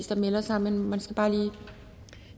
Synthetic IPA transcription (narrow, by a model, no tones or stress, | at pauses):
sd̥ɐmelɐsɑ̈m̰nenmænsɡ̥æb̥ɑ̈ːliː